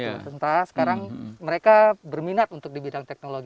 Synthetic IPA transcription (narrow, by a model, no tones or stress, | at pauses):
t̪ənt̪aɾasə̥kaɾaŋməɾekabərminat̪unt̪ʊk̚dibidaŋt̪ɛk̚noloɡ